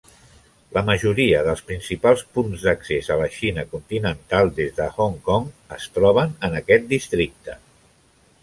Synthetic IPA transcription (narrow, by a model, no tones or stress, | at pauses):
ləməʒuɾiəðəlˠspɾinsipalˠspunzðəksezələʃinəkunt̪inənt̪alˠd̪ezðəhoŋkɔŋəst̪ɾɔβ̞ənənəkɛt̪̚d̪ist̪ɾik̚t̪ə